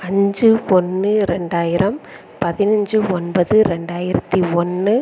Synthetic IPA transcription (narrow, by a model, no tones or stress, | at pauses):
ɐɲd͡ʒɯɔnːɯɾɛɳɖaːjɪɾɐm | pɐðɪnɐɲd͡ʒɯɔnbɐðɯɾɛɳɖaːjɪɾɐt̪ːiɔnːɯ